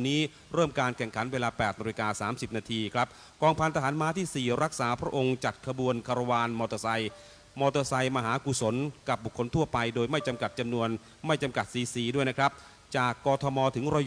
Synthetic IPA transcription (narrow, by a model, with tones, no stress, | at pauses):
niː˦˥ | ɾɤː˥˩mkaː˧nkʰɛ˨˩ŋkʰa˩˦nweː˧laː˧pɛː˨˩t̪̚naː˧i˧kaː˧saː˩˦msi˨˩p̚naː˧t̪ʰiː˧kʰɾa˦˥p̚ | kɔː˧ŋpʰa˧nt̪ʰa˧ɦaː˩˦nmaː˦˥t̪ʰiː˥˩siː˨˩ɾa˦˥k̚saː˩˦pʰɾa˦˥ʔo˧ŋt͡ɕa˨˩t̪̚kʰa˧bu˧ənkʰa˧ɾa˧waː˧nmɔː˧t̪ɔ˧sa˧j | mɔː˧t̪ɤː˧sa˧jmaː˧ɦaː˩˦ku˨˩so˩˦nka˨˩p̚bu˨˩kʰːo˧nt̪ʰu˥˩ɐpa˧jdoː˧jma˥˩jt͡ɕa˧mka˨˩t̪̚t͡ɕa˧mnu˧ən | ma˥˩jt͡ɕa˧mka˨˩t̪̚siː˨˦siː˨˩du˥˩əjna˦˥kʰɾa˦˥p̚ | t͡ɕaː˨˩kːɔː˧t̪ʰɔː˧mɔː˧t̪ʰɯ˩˦ŋɾa˧j